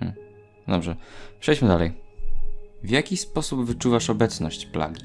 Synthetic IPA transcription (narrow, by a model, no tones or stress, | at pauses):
d̪ɔbʐɛpʂɛjd͡ʑmɘd̪alɛj | vjakʲispɔsubvɘt͡ʂuvaʂɔbɛt̪snɔɕt͡ɕpla̰ɡʲi